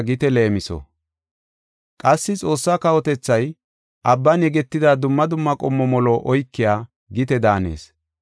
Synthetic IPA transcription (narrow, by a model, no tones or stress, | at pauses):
ɡɪt̪ɛle̞ːmɪsɔ̰ | kʼɐsːɪt͡sʼo̞ːsːaːkɐwɔt̪ɛt͡sːɐj | ʔɐbːɐnjɛɡɛt̪ːɪd̪ad̪ʊmːɐd̪ʊmːɐkʼɔmːɔmɔloːʔɔjkːɪjaː | ɡɪt̪ɛd̪aːne̞̰ːs